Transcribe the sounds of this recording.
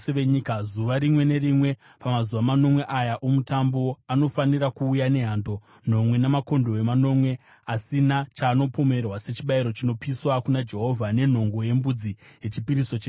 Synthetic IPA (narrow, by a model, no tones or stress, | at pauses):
eʋeɲikazuʋaɾimwe̞ne̞rimwe̞ | pamazuʋamano̞mwe̞ʔajaʔomutambo̞ano̞faniɾakuːjane̞ɦaːndo̞ | n̤o̞mwe̞namako̞ndo̞e̞mano̞mwe̞ | asinat͡ʃaːno̞po̞me̞rwase̞t͡ʃiɓaiɾo̞t͡ʃino̞piswakunad͡ʒe̞ɦo̞vʱane̞n̤o̞ŋɡo̞je̞mbud͡zije̞t͡ʃipiɾiso̞t͡ʃe